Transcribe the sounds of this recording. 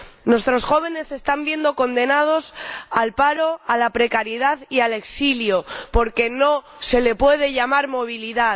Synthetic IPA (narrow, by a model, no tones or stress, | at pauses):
nwe̞st̪ɾo̞sxo̞β̞e̞ne̞se̞st̪ambje̞nd̪o̞ko̞nd̪e̞nað̞o̞salpaɾo̞alapɾe̞kaɾjeð̞aðiale̞ksiljopo̞ɾke̞no̞ | se̞le̞pwe̞ð̞e̞ʝamaɾmo̞β̞iliða